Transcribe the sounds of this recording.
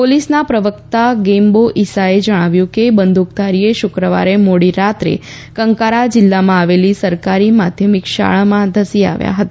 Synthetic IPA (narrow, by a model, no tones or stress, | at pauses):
polisnapɾəʋəkt̪aɡemboʔisaed͡ʒəɽ̃aʋjũkebənd̪ʱuk̚t̪aɾieʃʊkɾəʋa̰ɾemoɽiɾat̪ɾḛ | kəŋkaɾad͡ʒɪlːamãaʋelisəɾkaɾimad̪ʱjəmikʃa̰ɭamãd̪ʱəsia̰ʋja̰ɦət̪a